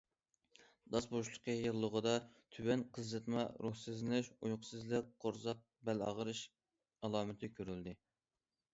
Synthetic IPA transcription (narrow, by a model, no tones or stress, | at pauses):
d̪̥ɑsboʃlˠə̥qʰəjɨlˠːəʁəd̪ɑt̪ʰywɛnqʰəzːɨt̪mɑɾuhsɪzɪnɪʃujqʰʊ̥sɨzlɪk̚qʰoɾzɑq̚bɛlɑ̰ʁəɾɨʃ | ɑlˠɑːmɪt̪ʰɪkʲʰøɾyld̪ɪ